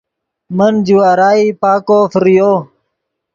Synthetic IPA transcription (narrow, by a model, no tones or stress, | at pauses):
mənd͡ʒuwaːɾaːiːpaːkoːfəɾijoː